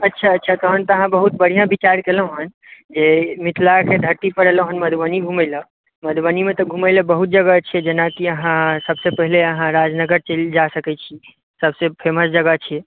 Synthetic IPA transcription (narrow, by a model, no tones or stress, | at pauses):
ətːʃʰaətːʃʰat̪ɔɦənt̪ɔəɦãbəɦut̪̚bəɽ̤ijãbit͡ʃaɾkelə̃ɦən | d͡ʒemit̪ʰlaked̪ʱəɾt̪ipəɾɛləɦənməd̪ʱwəniɡʱumɛjlə | məd̪ʱwənimet̪ɔɡʱumələbəɦut̪̚d͡ʒəɡət͡ʃʰiɛd͡ʒenakiəɦãsəbsepəɦileəɦãɾad͡ʒnəɡəɾt͡ʃəld͡ʒasəkɛt͡ʃʰi | səbsepʰeməsd͡ʒəɡət͡ʃʰiɛ